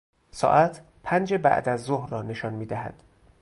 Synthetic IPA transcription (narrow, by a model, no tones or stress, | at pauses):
sɒ̰ːʔæt̪ʰ | pʰænd͡ʒebæ̰ʔd̪æzːohrɒːne̞ʃɒnmiːd̪æɦæ̰d̪̥